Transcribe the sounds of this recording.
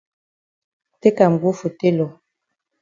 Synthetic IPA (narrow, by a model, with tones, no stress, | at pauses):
te˦ka˨m̩˨ɡu˦fu˨te˦lɔ˨